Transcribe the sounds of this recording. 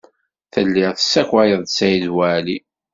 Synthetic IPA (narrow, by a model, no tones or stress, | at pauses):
θəlːɪʁθəsːækʷæjəðˤdsæizwæli